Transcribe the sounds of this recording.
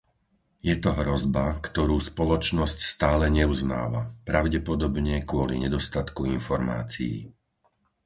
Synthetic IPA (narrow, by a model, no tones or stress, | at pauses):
jɛt̪ɔɦɾɔzbakt̪ɔɾuːspɔlɔt͡ʃnɔscst̪aːlɛɲɛuzna̰ːʋa̰pɾaʊɟɛpɔd̪ɔbɲɛkʊɔlḭɲɛd̪ɔst̪at̪kuinfɔɾma̰ːt͡sḭḭ